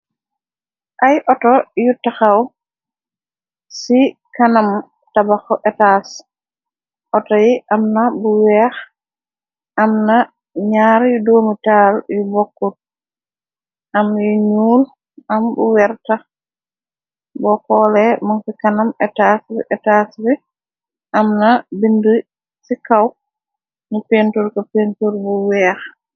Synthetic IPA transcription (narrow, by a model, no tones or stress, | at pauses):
ʔajʔɔtɔjutːaxaw | sikanam | tabaxɔʔɛtas | ʔɔtɔjiʔamnabuwɛːx | ʔamna | ɲaɾjudoːmitaːljubɔkːut̚ | ʔamiɲuːl | ʔambṵwɛɾta | bɔkɔlɛmansikanamɛtasɛtasbɛ | ʔamnabindu | sikaw | nipentuɾkapentuɾbuwɛːx